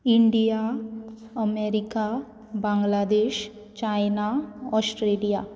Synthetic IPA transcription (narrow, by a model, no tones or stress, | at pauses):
ɪɳɖija | əmeːɾika | bãːŋɡlaːd̪eːʃ | t͡ʃaːɪnaɔsʈɾeːlija